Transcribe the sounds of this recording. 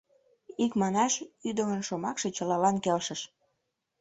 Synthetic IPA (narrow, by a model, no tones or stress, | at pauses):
ikmɑnɑʃyd̪əmənʃomɑkʃet͡ɕəlɑlɑnkelʃəʃ